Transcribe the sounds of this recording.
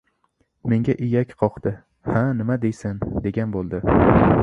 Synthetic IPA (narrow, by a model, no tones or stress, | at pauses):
me̞ŋɡʲaʔɪjakʲqʰɒqt̪ɪ | hanɪmad̪ejsɪnd̪e̞ɡʲanbolˠd̪ɪ